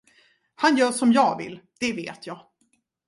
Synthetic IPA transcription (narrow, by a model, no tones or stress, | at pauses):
hanjœːʂɔmjɑːɡvɪ̰lːd̪̥ɛvḛːt̪ʰjɑːɡ